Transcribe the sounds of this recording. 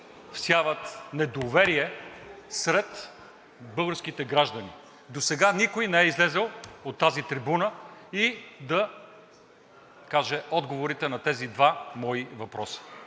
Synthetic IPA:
fsʲjavət̪nɛd̪ovɛɾiɛsɾɛt̪ | bɤlˠɡəɾsk̟it̪ɛɡɾaʒd̪ɐni | d̪osɛɡanikojnɛɛizlɛzəlˠot̪ːazit̪ɾibunəid̪ɐ | kaʒɛɔd̪ɡovoɾit̪ɛnɐt̪ɛzid̪vamɔivɐpɾɔsi̥

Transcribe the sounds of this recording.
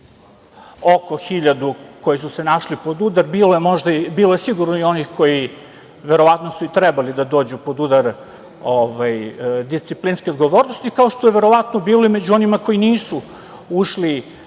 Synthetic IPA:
okoxiʎad̪uko̞jisusenaʃlipo̞d̪ud̪aɾbiːlojemo̞ʒd̪aibiːlojesiɡuɾnoio̞nixko̞ji | ʋe̞ɾo̞ʋat̪nosuit̪ɾɛbalid̪ad̪o̞ːd͡ʑupo̞d̪ud̪aɾ | oʋajd̪ist̪siplinskʲeod̪ɡo̞ʋo̞ɾnost̪ikao̞ʃt̪o̞je̞ʋe̞ɾo̞ʋat̪nobiːlˠo̞imed͡ʑuo̞nimako̞jiniːsu | uʃli

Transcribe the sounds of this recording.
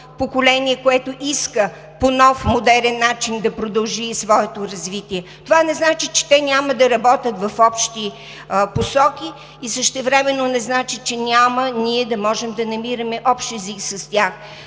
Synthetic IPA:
pokolɛniɛkoɛt̪oʔiskə | ponɔfmod̪ɛɾɛnːat͡ʃind̪ɐpɾod̪ɐlˠʒisvɔɛt̪oɾɐzvit̪iɛt̪ovanɛznat͡ʃit͡ʃɛ̥t̪ɛnʲaməd̪ɐɾɐbɔt̪ʲət̪vɐfɔpʃt̪i | posɔkʲiː | səʃt̪ɛvɾɛmɛnːonɛznat͡ʃit͡ʃɛnʲaməniɛd̪ɐmɔʒɛmd̪ɐnɐmiɾɐmɛʔɔpʃt̪ɛziksɐst̪ʲax

